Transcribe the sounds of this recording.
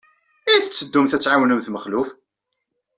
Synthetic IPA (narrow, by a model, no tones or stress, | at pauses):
iθət͡sːəd̪ːumθæt͡sːʕawnəmθməχlʊf